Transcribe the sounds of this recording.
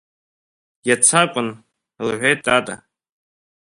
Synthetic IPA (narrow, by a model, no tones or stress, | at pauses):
jat͡sʰakʷʼʊn | lʕʷejtʼatʼa̰